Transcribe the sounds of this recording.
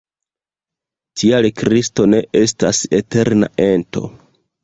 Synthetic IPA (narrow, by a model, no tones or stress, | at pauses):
tʰialkɾisto̞ne̞ʔe̞stasete̞ɾna̰ʔe̞nto̞̰